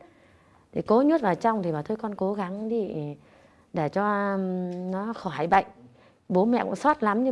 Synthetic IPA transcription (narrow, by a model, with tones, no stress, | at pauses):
t̪ʰi˨˩ko˨˦ɲə˦˥t̚vaː˨˩t͡ɕa˧wŋ͡mt̪ʰi˨˩ɓaː˨˩t̪ʰo˧jkɔ˧nko˨˦ɣa˨˦ŋɗi˧ | ɗe˧˩t͡ɕɔ˧ | nɔ˨˦xɔ˧˩ɦa˨˧˩jɓə̰˧˨jŋ̟ | ɓo˨˦mɛ̰˧˨kʊ̰˧˥ŋ͡msɔ˦˥t̚la˨˦mɲɨ˧